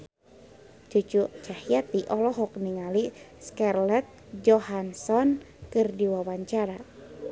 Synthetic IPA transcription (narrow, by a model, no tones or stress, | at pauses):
d͡ʒut͡ʃut͡ʃahiat̪iʔɔlɔɦɔk̚niŋali | skɛrlɛt̪̚ | d͡ʒɔhansɔn | kɨrdiwawaɲt͡ʃaɾa